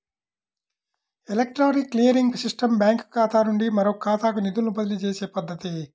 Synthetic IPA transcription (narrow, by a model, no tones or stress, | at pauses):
elek̚ʈɾaːɾikːlijɐɾiŋɡsiʂʈɐmbjaːŋkkaːt̪aːnuɳɖimɐɾoːkaːt̪aːkunid̪ulubɐd̪ɐlit͡ʃeːseːpɐd̪ːɐt̪i